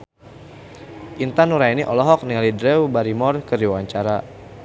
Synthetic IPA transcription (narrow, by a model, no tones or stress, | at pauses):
ʔint̪anuɾainiʔɔlɔɦɔk̚niŋalidɾɛwbaɾimɔrkəɾiwawaɲt͡ʃaɾa